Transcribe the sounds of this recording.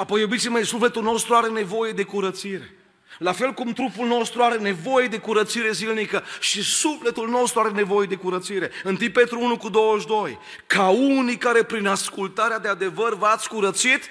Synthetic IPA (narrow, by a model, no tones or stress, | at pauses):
apo̞jowbisimejsufle̞t̪ulno̞st̪ɾuaɾe̞ne̞vo̞je̞d̪e̞kuɾət̪siɾe̞ | lafe̞lkumt̪ɾupulno̞st̪ɾuaɾe̞ne̞vo̞je̞d̪e̞kuɾət̪siɾe̞zilnikəʃisufle̞t̪ulno̞st̪ɾuaɾe̞ne̞vo̞je̞d̪e̞kuɾət̪siɾe̞ɨnt̪ipe̞t̪ɾuunukud̪o̞wəʃd̪o̞j | kaunijkaɾe̞pɾinaskult̪aɾead̪ead̪e̞vərvəat̪sʲkuɾət̪sit̪